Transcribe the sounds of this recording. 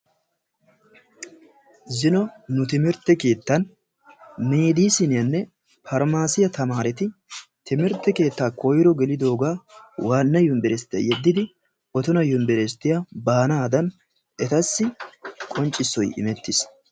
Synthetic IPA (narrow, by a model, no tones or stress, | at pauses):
zɪnɔnʊt̪ɪmɪɾt̪ːɛke̞ːt̪ːɐn | meːd̪iːsɪnɪjɐnːɛ | fɐɾmaːsɪjɐt̪ɐmaːɾɛt̪ɪt̪ɪmɪɾt̪ːɛke̞ːt̪ːaːkojɪɾɔɡɛlɪd̪o̞ːɡaːwaːnːɐjʊmbɛɾɛst̪ːɛ̰jɛd̪ːɪd̪ɪ | ɔt̪ʊnɐjʊmbɛɾɛst̪ːɪjabaːnaːd̪ɐn | ɛt̪ɐsːɪkʼɔnt͡ʃʼɪsːɔjɪ̰mɛt̪ːɪs